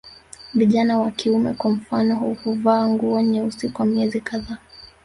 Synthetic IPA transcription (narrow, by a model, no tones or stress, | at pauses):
viʄanawakiumɛ̰kwam̩fanɔhuhuvaːŋɡuɔɲɛusikuwamiɛzikaðaː